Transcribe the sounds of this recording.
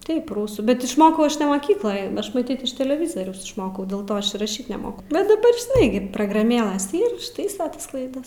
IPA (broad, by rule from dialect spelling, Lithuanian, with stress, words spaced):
ˈtɐɪp ˈrʊsuː bʲɛt ɪʃˈmoːkɐʊ ˈɐʃ nʲɛ moːˈkʲiːklˠoːjɛ ˈɐʃ mɐˈtʲiːt ɪʃ tʲɛlʲɛˈʋʲɪzoːrʲɛʊs ɪʃˈmoːkɐʊ dʲeːlˠ ˈtoː ˈɐʃ ɪr rɐˈʃʲiːt nʲɛˈmoːkʊ bʲɛt dɐˈbɐr ʒʲɪˈnɐɪ ɡʲɪ proːɡrɐˈmʲeːlˠɘs ˈiːr ɪʃˈtɐɪsɐ ˈtɐs klˠɐɪˈdɐs